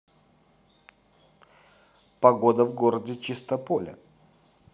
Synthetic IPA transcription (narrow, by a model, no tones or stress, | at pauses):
pɐɡod̪əvɡoɾədʲɪt͡ʃɪst̪ɐpolʲə̰